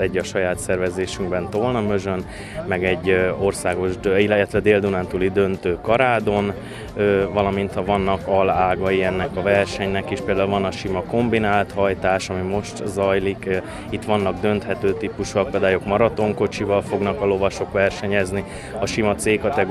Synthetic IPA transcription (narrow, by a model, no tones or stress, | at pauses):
ɛɟːɒʃɒjaːt̪sɛrvɛzeːʃyŋɡbɛnt̪olnɒmø̞zøn | mɛɡɛɟːo̞rsaːɡo̞ʒd̪ilɛt̪ʋɛd̪eːld̪unant̪ulid̪ønt̪øːkɒɾaːd̪o̞n | øvɒlɒmint̪hɒvɒnːɒkɒlaːɡɒjiɛnːɛkɒvɛrʃɛɲnɛkiʃpeːld̪aːulvɒnɒʃimɒko̞mbinaːlt̪hɒjt̪aːʃɒmimo̞ʃt̪zɒjlik | it̪ʋɒnːɒɡd̪ø̞nt̪hɛt̪øːt̪iːpuʃuɒkɒd̪aːjo̞kmɒɾɒt̪o̞ŋko̞t͡ʃivɒlfo̞ɡnɒkɒlo̞vɒʃo̞kʋɛrʃɛɲɛzni | ɒʃimɒt̪seːkɒt̪ɛɡ